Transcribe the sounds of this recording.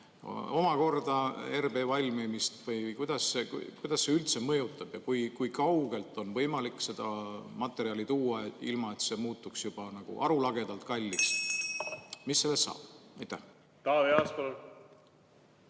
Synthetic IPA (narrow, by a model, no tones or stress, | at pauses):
o̞mɑko̞rd̪̥ɑerbe̞ːvɑlʲmimist̪vɤjkujd̪̥ɑsːe̞kṵkujd̪̥ɑsːe̞ylt̪se̞mɤ̞jut̪ːˑɑb̥jɑkujkujkɑwɡ̥e̞lt̪ˑo̞nvɤ̞jmɑlikːˑse̞d̪̥ɑmɑt̪ːˑe̞ɾiɑlit̪uːɑeilmɑe̞t̪se̞muːt̪ːˑuksjub̥ɑnɑɡ̥ṵʔɑ̰ɾulɑɡ̥e̞d̪̥ɑlt̪̚kɑlʲːist̪ | misːe̞lːestːɑ̰ːb̥ɑjt̪ːˑæh | t̪ɑːveɑspolu